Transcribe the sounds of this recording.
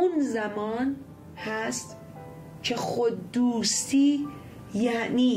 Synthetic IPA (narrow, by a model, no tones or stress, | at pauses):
unzæmɒːn | hæst̪ | cʰexod̪d̪uːst̪iː | jæʔniː